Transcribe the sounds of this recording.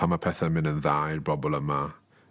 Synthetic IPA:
amapʰɛθɛmɪnənðajrbrɔbɔlˠəma

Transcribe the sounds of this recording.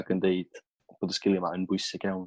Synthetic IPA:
ɡəndeɨd̥ | b̥oːdəskɪlˠjɪmaənbʊjsɪɡ̥jawn

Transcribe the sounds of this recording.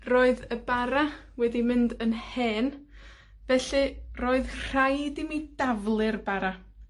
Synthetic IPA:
roːɨðəbaɾa | wɛdimɪndənheːn | vɛɬɨroːɨðr̥ajdɪmidavlˠɨrbaɾa

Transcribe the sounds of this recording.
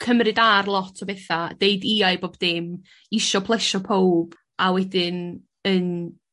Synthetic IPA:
kʰəmrɨdarlˠɔtʰɔbɛθad̥eɨdiːajboːbd̥ɪm | ɪʃɔpʰlˠɛʃɔpʰowb̥ | awɛdɪn | ən

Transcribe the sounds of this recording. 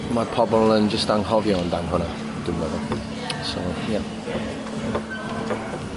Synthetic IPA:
madpʰɔbɔlˠənd͡ʒəstaŋhɔvjɔndaŋɦʊna | d̥umɛðɔ | sɔja

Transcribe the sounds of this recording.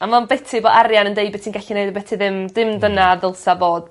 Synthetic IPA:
amanbɛtʰibodarjanəndejbɛtʰinɡ̥ɛɬinejdbɛtʰiðɪmdɪmdənaðɪlˠsavoːd̥

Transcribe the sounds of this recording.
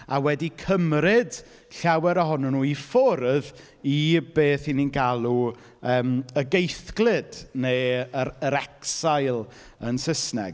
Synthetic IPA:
awɛdikʰəmɾɪd | ɬawɛɾəɦɔnɔnuːifɔɾð | ibeːθininɡalˠu | əːməɡejθɡ̥lˠɪdneəəɾɛksajlˠ | ənsəsnɛ̰ɡ

